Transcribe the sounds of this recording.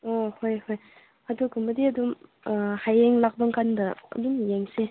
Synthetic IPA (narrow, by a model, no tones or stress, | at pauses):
ohojhoj | adukumbɐdiɐdum | hajeŋlak̚baŋkandɐ̰ːdumjeŋse